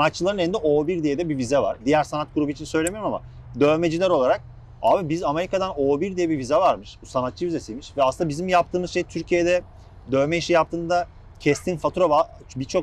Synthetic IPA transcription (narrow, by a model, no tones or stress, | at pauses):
sanat̪t͡ʃːɯlˠaɾɯneind̪ɛʔoːbiɾd̪ijed̪ɛbivizɛva̰ɾ̥d̪ijæɾsanat̪̚ɡuɾubɯit͡ʃʰinsø̞jlʲemijɾmama̰ | d̪ø̞ːme̞d͡ʒilʲæɾo̞lˠaɾak̚ | aːbibizame̞ɾikad̪anoːbiɾd̪ijɛbivizɛvaɾmɯʃbusanat̪t͡ʃɯvize̞sijmiʃvɛasɯnd̪abizimjap̚t̪ʰɯːmɯzʃe̞jt̪ʰyɾcʰijed̪ɛ | d̪ø̞ːmɛiʃijapt̪ʰɯːnd̪a | cʰɛst̪ʰinfat̪ʰuɾoba | bit͡ʃʰo̞k